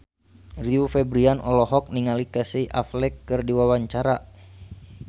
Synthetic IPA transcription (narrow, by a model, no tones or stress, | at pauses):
riufɛbɾianʔɔ̰lɔɦɔk̚niŋalikəsiʔaflɛkːɨrdiwawaɲt͡ʃaɾa